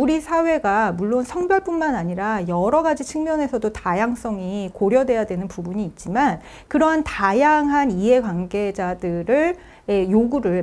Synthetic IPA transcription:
uɾisʰawe̞ɡamuɭːonsʰʌŋbjʌɭp͈unmanaɲiɾajʌɾʌɡad͡ʑit͡ɕʰɯŋmjʌne̞sʰʌdotajaŋs͈ʌŋikoɾjʌdwe̞jadwe̞nɯnpubuɲiːt̚t͡ɕ͈iman | kɯɾʌɦantajaŋɦaniɦe̞kwaŋɡe̞d͡ʑadɯɾɯɭ | ejoɡuɾɯɭ

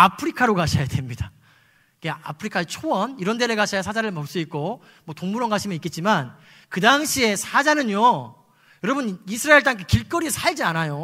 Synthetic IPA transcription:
apʰɯɾikʰaɾokaɕʰajade̞mɲida | iɡea̰pʰɯɾikʰaet͡ɕʰowʌniɾʌndeɾeɡaɕʰajasʰad͡ʑaɾɯɭmʌk̚s͈uik̚k͈o | mwʌtoŋmuɾʌŋɡaɕʰimjʌnik͈e̞t̚t͡ɕ͈iman | kɯdaŋɕʰie̞sʰad͡ʑanɯɲjo | jʌɾʌbɯnisʰɯɾaeɭt͈aŋk͈ekiɭk͈ʌɾisʰaɭd͡ʑianajo

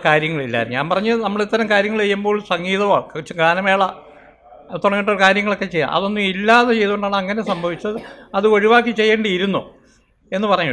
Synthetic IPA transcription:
kaːɾjɐŋːɐɭilːa̰ɲa̰ːnpɐrɐɲːɨnɐmːɐɭit̪ːɐɾɐmkaːɾjɐŋːɐɭejːumbo̞ːɭsɐŋɡiːðɐmaːɭkɐt͡ɕːɨɡaːnɐmeːɭɐ | t̪oɳɐŋːiʈ̬ːokaːɾjɐŋːɐɭo̞kːet͡ɕe̞jːa̰mʔɐ̰ðo̞nːumilːaːðet͡ɕe̞jt̪uuɳɖaːɳɨɐŋːɐne̞sɐmbʱɐʋit͡ɕːɐðɨɐðɨɐɻiʋaːk̬ːit͡ɕe̞jːeːɳɖɐiɾunːo̰ | e̞nːɨpɐrɐɲːu

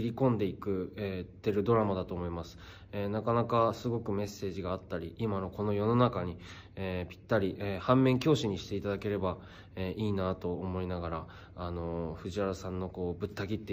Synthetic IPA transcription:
iɾʲikõ̞nd̪e̞ikɯ̟et̪ːe̞ɾɯ̟d̪o̞ɾamad̪at̪o̞ːmo̞imasɨ̥ | enakanakasɨɡo̞kɯ̟me̞sːe̞ːʑiɡaːt̪ːaɾʲiʔimano̞ko̞no̞jo̞no̞nakaɲ̟i | epʲi̥t̪ːaɾʲiʔehãmːẽ̞ŋkʲo̞ːɕiɲ̟iɕi̥t̪e̞it̪ad̪ake̞ɾe̞ba | eːʔiːnat̪o̞ːmo̞inaɡaɾaː | no̞ɸɯ̟ʑiaɾasãnːo̞ko̞ːbɯ̟t̪ːaɡʲit̪ːe

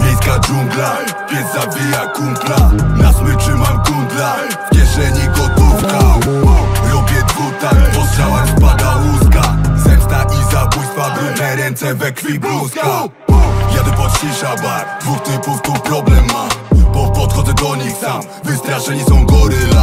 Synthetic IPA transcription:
vʲjejskad͡ʒuŋɡla | pʲjɛzzabʲijakuŋklanaswɪʂɘmamɡuŋɡla | fkʲjɛʂɛɲiɡɔt̪ɔwka | ɾɔbʲjɛd̪vut̪abɔst̪sawaspad̪aluskazɛpst̪aʔizabujst̪favɾɛnɛɾɛnt̪sɛvɛkfʲibluska | jad̪ɛpɔt̪ɕiʂabaɾd̪vukt̪ɪmpuŋk̚t̪upɾɔblɛmːabɔpɔt̪xɔd̪zɛd̪ɔɲixsam | vɪst̪ɾaʂɛɲisɔ̃w̃ɡɔɾɘa

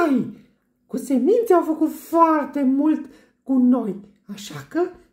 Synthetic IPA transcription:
j | kusemint̪sʲawfəkut̪foart̪e̞mult̪ | kuno̞j | aʃakə

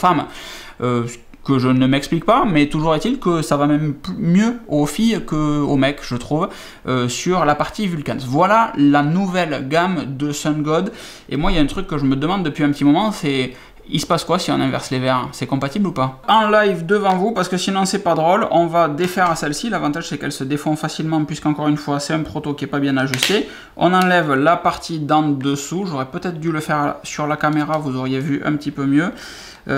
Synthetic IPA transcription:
fam | ø | kəʒənəmɛksplik̚pamɛt̪uʒuʁet̪ilkəsavamɛmplymjøofijkəo̰mɛkʒ̥ət̪χuv | øsyʁlapaʁt̪ivylkansvwalalanuvɛlɡamd̪əsɛ̃ɡɔd̪ | ḛmwailaɛ̃t̪χykːəʒəməd̪əmɑ̃d̪ːəpɥiɛ̃pət̪imɔmɑ̃sɛ | ḭsə̥paskwasiɔ̃nɛ̃vɛ̰ʁslevɛʁsɛkɔ̃pat̪iblupaɑ̃lajvd̪əvɑ̃vupaʁsəkəsinɔ̃sɛpad̪ʁɔlɔ̃vad̪efɛʁasɛlsilavɑ̃t̪aʒsɛkɛlsəd̪efɔ̃fasilmɑ̃pɥiskɑ̃kɔʁynfwasɛt̪ɛ̃pχot̪okʲiɛpabjɛ̃naʒyst̪e | ɔ̰̃nɑ̃lɛvlapaʁt̪ʰid̪ɑ̃d̪əsuʒoʁɛpøt̪ɛt̪χəd̪yləfɛʁsyʁlakameʁavuzɔʁjevyʔɛ̰̃pət̪ipømjø

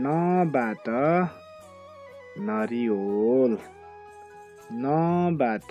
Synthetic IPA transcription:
nʌbatʌ | nʌɾiɦol | nʌbat̪

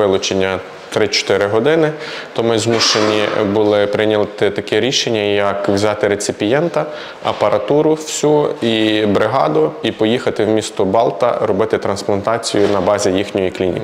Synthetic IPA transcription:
ɪlˠʊt͡ʃenʲːɐ | t̪ɾɪt͡ʃɔ̥t̪ɪɾɪɦɔd̪ɪnɪt̪ɔmɪzmuʃenʲibulˠɪpɾɪnʲɐlˠt̪ɪt̪ɐkɛɾʲiʃenʲːɐjɐkwzʲɑt̪ɪɾet͡sʲɪpʲijɛnt̪ɐ | ɐpɐɾʔɐt̪uɾʊwsʲuibɾɪɦɑ̰d̪ʊipɔjixɐt̪ɪwmʲist̪ɔbɑlˠt̪ɐ̰ɾɔbɪt̪ɪt̪ɾɐnsplˠɐnt̪ɑt͡sʲijʊnɐbɑzʲijixnʲɔjiklʲinʲḭk

